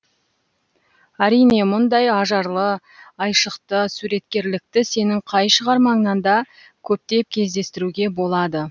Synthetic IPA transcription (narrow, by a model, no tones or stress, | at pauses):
æɾijne̞mʊnd̪ɑjɑʒɑɾlˠə | ɑjʃəqt̪əsuɾe̞t̪kʲe̞ɾlɪk̚t̪ɪse̞nɪŋqʰɑjʃəʁɑɾmɑŋnɑnd̪ɑ | kʲʰɵp̚t̪e̞p̚kʲʰe̞zd̪e̞st̪ɪɾuɡʲe̞bo̞lˠɑd̪ə